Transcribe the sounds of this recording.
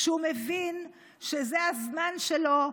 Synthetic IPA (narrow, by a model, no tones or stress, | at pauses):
ʃumevin | ʃezeazmanʃelo̞